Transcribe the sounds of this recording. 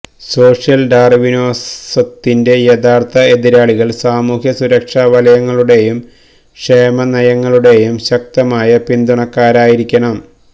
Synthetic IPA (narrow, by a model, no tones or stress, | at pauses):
so̞ːʂjɐlɖaːrʋinoːsɐt̪ːinde̞jeðaːrt̪ʰɐe̞ðiɾaːɭiɣɐɭsaːmuːɦjɐsuɾɐkʂaːʋɐlɐjɐŋːɐɭuɽe̞jum | ʂeːmɐnɐjɐŋːɐɭuɽe̞jumɕɐk̚t̪ɐmaːjɐpind̪uɳɐkːaːɾaːjiɾikʲːɐɳɐm